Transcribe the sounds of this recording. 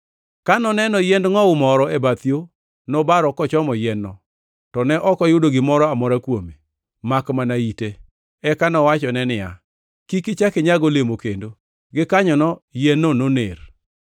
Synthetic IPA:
kanɔnɛnɔjɛndŋɔʊmɔɾɔebat̪jo | nɔbaɾɔkɔt͡ʃɔmɔjɛnɔ | tɔnɛʔɔkɔjʊdoɡɪmɔɾɔamɔɾakwome | makmanaite | ɛkanɔwat͡ʃɔnɛnɪja̰ | kikɪt͡ʃakɪɲaɡɔlemokendo | ɡɪkaɲɔnɔjɛnːɔnoner

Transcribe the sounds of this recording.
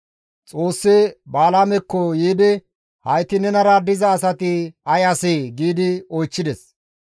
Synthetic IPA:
t͡sʼo̞ːsːɛbaːlaːmɛkːɔjiːd̪ɪ | hɐjt̪ɪnɛnɐɾad̪ɪzɐːsɐt̪ɪɐjɐsɪɡiːd̪ɪɔjt͡ʃːɪd̪ɛs

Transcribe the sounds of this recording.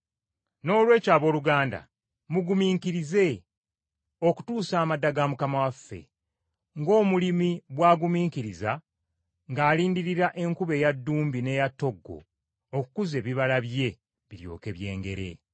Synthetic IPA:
no̞ːlwe̞ːcaːβo̞ːluɡaːnda̰ | muɡumiːŋkiɾize̞ | o̞ku̥tuːsaːmadːaɡamukamawafːe̞̰ | ŋɡo̞ːmulimiβwaːɡumiːŋkiɾiza | ŋɡaːliːndiɾiɾaʔe̞ŋkuβe̞ːjadːuːmbine̞jatːo̞ɡːo̞̰ː | kukuze̞βiβalaβje̞ | βiɾjo̞̰ːke̞βje̞ːŋɡe̞̰ɾe̞̰

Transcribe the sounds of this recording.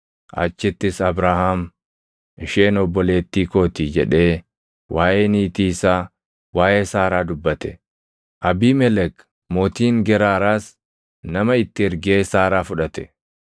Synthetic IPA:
ʔɐ̰t͡ʃːɪt̪ːɪsɐbɾaːhaːm | ɪʃeːnɔbːɔle̞ːt̪ːiːko̞ːt̪iːd͡ʒɛᶑe̞ː | wʔaːjeːniːt̪iːsaː | waːʔeːsaːɾaːd̪ʊbːɐt̪ɛ | ʔɐbiːmɛlɛk | moːt̪iːŋɡɛɾaːɾaːs | nɐmɐɪt̪ːɪɪɾɡe̞ːsaːɾaːfʊᶑɐt̪ɛ̥

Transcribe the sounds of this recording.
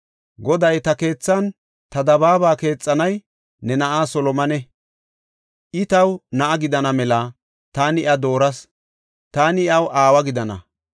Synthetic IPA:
ɡɔd̪ɐjt̪ɐke̞ːt͡sːɐn | t̪ɐd̪ɐβaːbaːke̞ːt͡sʼːɐnɐj | nɛnɐʔaːsɔlɔmɐnɛ | ʔɪt̪ɐwnɐʔɐɡɪd̪ɐnɐmɛlɐ | t̪aːnɪʔɐd̪o̞ːɾɐs | t̪aːnɪɐwʔaːwɐɡɪd̪ɐnɐ̰

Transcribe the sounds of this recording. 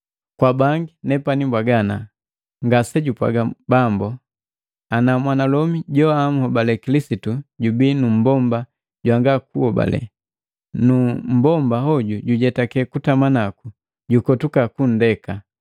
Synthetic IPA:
kwabaŋɡinɛpanimbwaɡana | ŋɡasɛɟupwa̰ɡabambɔ | anamwanalɔmiɟɔam̩hɔbalɛkilisituɟubinum̩bɔmba | ɟwaŋɡakuhɔba̰lɛ̰ | num̩bɔmbaɦɔɟuɟuɟɛtakɛkutamanaku | ɟukɔtukakun̩dɛka

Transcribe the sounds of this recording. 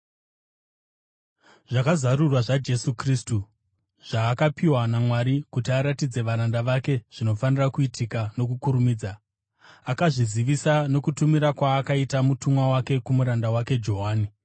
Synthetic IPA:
ʐakazaɾurwaʐad͡ʒe̞sukriːstu | ʐ̥aːkapiwanamwaɾikutiaɾatid͡ze̞ʋaɾandaʋake̞ʐ̥ino̞fanirakuitʰikano̞kukuɾumiːd͡za | akaʐiziʋisano̞kutumiɾakwaːkaitamutumwawake̞kumuɾandawake̞d͡ʒo̞ɦaːni

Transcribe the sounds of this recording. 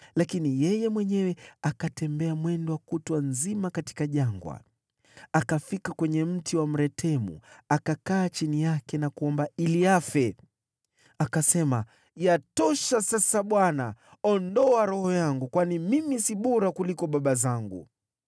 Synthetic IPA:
lakinijɛjɛmwɛɲɛwɛakatɛmbɛamwɛndɔwakutwanzimakati̥kaʄaŋɡwa̰ | akafikakwɛɲɛm̩tiwam̩ɾɛtʰɛmṵakakaːt͡ʃinijakɛnakuɔmbailiafɛ | akasɛma | jatɔʃasasaɓwanaɔndɔaɾɔhɔjaŋɡukwanimimisiɓɔɾakulikɔɓaɓazaŋɡṵ

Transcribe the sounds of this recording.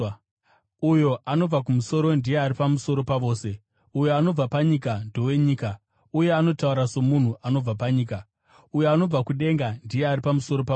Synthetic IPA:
ujo̞ʔano̞b͡vakumuso̞ɾo̞ndijeaɾipamusoɾo̞paʋo̞ːse̞ | ujoano̞b͡vapaɲikando̞we̞ɲiːka | uje̞ano̞tauɾaso̞mun̤uʔano̞b͡vapaɲiːka | ujoano̞b͡vakuɗe̞ŋɡandije̞aripamuso̞ɾo̞pa

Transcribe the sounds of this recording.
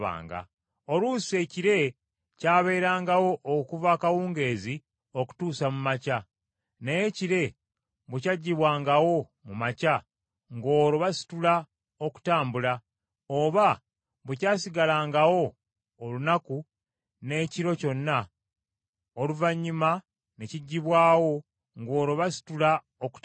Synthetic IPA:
βa̰ːŋɡa̰ | o̞luːsie̞ciɾe̞ | caːβe̞ːɾaːŋɡawo̞ʔːkuvaːkawuːŋɡe̞ːzi | o̞ku̥tuːsamumaca | nejeciɾe̞ | βucaɟːiβwaːŋɡawo̞ | mumaca | ŋɡo̞ːɾoβasi̥tula | oku̥taːmbula | oβa | βucaːsiɡalaːŋɡawo̞ | olunaku | ne̞ciɾo̞co̞nːa | oluvaɲːuma | ne̞ciɟːiβwaːwo̞ | ŋɡo̞ːɾo̞βasi̥tula | oku̥t

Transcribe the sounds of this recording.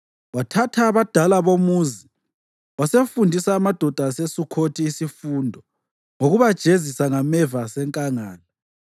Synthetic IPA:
watʰatʰaːβad̥ʱalaβomuːzi | wasefundʱisaːmad̥ʱɔd̥ʱasesukʰotʰiːsifuːndʱɔ | ŋoɣuβad̥ʒ̥ʱezisaŋamɛvasɛŋkʼaŋaːla

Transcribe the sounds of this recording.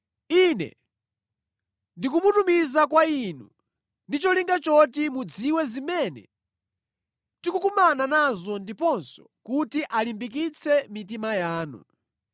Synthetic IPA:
inɛ̰ | ndikumutumizakwainu | ndit͡ʃɔliŋɡat͡ʃɔtimud͡ziwɛzimɛːnɛ̰ | tikukumananazɔndipɔnsɔ̥ | kutiʔalimbik̬it͡sʰɛmit̬imajaːnṵ

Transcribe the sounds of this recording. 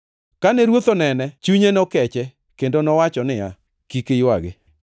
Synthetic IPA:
kanɛɾwot̪onɛnɛt͡ʃuɲenɔkɛt͡ʃɛ | kendonɔwat͡ʃɔnɪja̰ | kikɪjwaɡɪ̰

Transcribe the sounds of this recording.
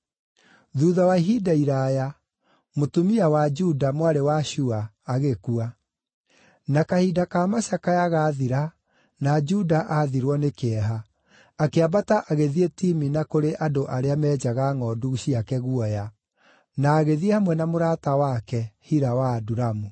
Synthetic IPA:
ðuːðawaiɦidaiɾaja | motumiawad͡ʒudamwaɾewaɕuaː | ɣekua | nakahidakamaɕakajaɣaːðiɾa | nad͡ʒudaʔaːðiɾwɔnekeɛɦaː | keabataʔaɣeðietiminakoɾeʔadoʔaɾeamɛːd͡ʒaɣaŋɔduɕiakɛɣuɔja | naːɣeðiehamwɛnamoɾatawakɛhiɾawaːduɾamu

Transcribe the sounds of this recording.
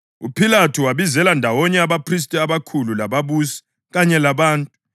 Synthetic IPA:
upʰilatʰuwaβizɛlandʱawɔɲɛaβapʰris̬tʼiaβakʰululaβaβuːsi̥ | ɣaɲɛlaβaːntʼu

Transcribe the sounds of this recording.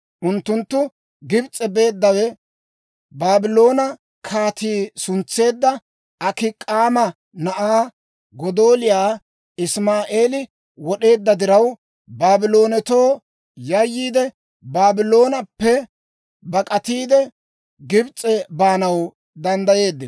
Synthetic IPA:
ʔʊnt̪ːʊnt̪ːʊ | ɡɪbt͡sʼɛbe̞ːd̪ːɐwɛ | baːbɪlo̞ːnɐ | kʰaːt̪iːsʊnt͡sːe̞ːd̪ːɐ | ɐkɪkʼːaːmɐ | nɐʔaː | ɡɔd̪oːlɪjaː | ɪsmaːʔeːlɪ | wɔɗe̞ːd̪ːɐd̪ɪɾɐw | baːbɪlo̞ːnɛt̪o̞ː | jɐjːiːd̪ɛ | baːbɪlo̞ːnɐpːɛ | bɐkʼɐt̪iːd̪ɛ | ɡɪbt͡sʼɛbaːnɐw | d̪ɐnd̪ɐje̞ːd̪ːɪ

